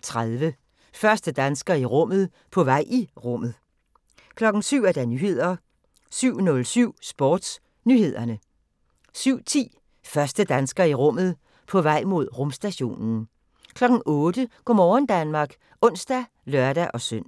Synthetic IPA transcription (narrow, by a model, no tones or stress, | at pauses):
t͡sʰʁaðˠʋə | fɶɐsd̥əd̥ænsɡ̥ɐiʁɔ̽m̰ð̞̩ˠ | pʰɒ̽ʋɑ̈ɪ̰ʔiʁɔ̽m̰ð̞̩ˠ | kʰlɒ̽ɡ̥n̩syʊ̰æɐd̥ɑnyːhe̝ð̞̰ˠɐ | syʊ̰nɔ̽lsyʊ̰sb̥ɒ̰ːd̥s | nyːhe̝ð̞̰ˠɐnə | syʊ̰t͡sʰḭː | fɶɐsd̥əd̥ænsɡ̥ɐiʁɔ̽m̰ð̞̩ˠ | pʰɒ̽ʋɑ̈ɪ̰mo̝ð̞̰ˠʁɔ̽msd̥æɕo̝̰ːnn̩ | kʰlɒ̽ɡ̥n̩ɔ̽ːd̥əɡ̥ɒmɒːnd̥ænmɑ̈ːɡ̥ | ɔ̽n̰sd̥æ | lɶɐd̥æʔɒ̽søn̰